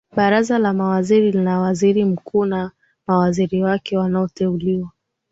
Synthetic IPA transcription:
ɓaɾazalamawaziɾilinawaziɾim̩kuːna | mawaziɾiwakɛwanaɔtɛuliwa

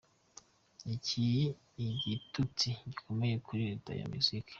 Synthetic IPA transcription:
icʰiji | iɟitut͡siɟiko̞mejekʰuɾita̰ja̰misikʰḁ

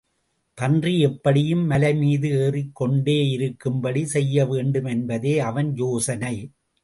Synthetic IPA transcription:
pɐndriɛpːɐɽɪjɯmːɐlɐɪmiːðɯeːrɪkːɔɳɖeːɪɾɯkːɯmbɐɽisɛjːɐʋeːɳɖɯmɛnbɐðeːɐʋɐnjoːsɐnɐɪ

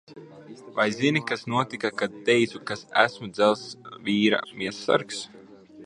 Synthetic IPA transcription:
vajzinikasnuɔt̪ikakad̪̚t̪ɛjt̪sukasæ̰smud̪zɛlˠsviːɾa̰miɛsːa̰ɾks

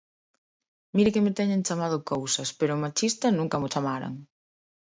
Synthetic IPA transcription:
miɾɪkɪmɪt̪ɛɲent͡ʃamaðʊkowsɐspeɾʊmat͡ʃist̪ɐsnũŋkɐmʊt͡ʃamaɾɐ̰ŋ

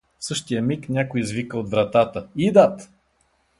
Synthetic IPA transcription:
sɤʃt̪ijəmiknʲakoizvikəod̪vɾɐt̪at̪əid̪at̪

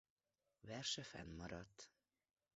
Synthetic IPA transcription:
vɛrʃɛfɛ̰nmɒɾɒt̪ː

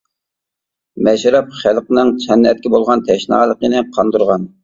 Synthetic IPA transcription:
mɛʃɾɛp̚χælqnɨŋt͡ʃʰɛnːɛt̪̚kʲibolˠʁɑnt̪ʰɛʃnɑ̰ːlˠəqənɨqʰɑnd̪uɾʁɑn

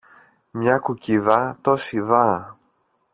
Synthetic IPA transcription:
mɲɐkuciðɐt̪osiðɐ

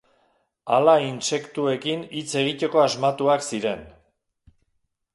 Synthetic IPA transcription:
alainse̞kt̪ue̞kinit͡se̞ɣ̞ico̞ko̞azmat̪uaksiɾe̞n

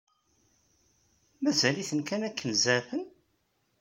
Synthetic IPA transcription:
mæzæliθənkænækːənzæfən

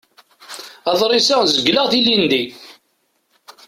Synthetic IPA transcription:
ɑðˤɾˤɪsazəɡləʁθilind̪i

